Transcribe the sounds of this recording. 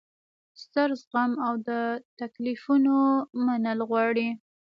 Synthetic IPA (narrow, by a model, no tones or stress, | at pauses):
st̪əɾzɣamawd̪ət̪aklifunomanəlɣwɑɽi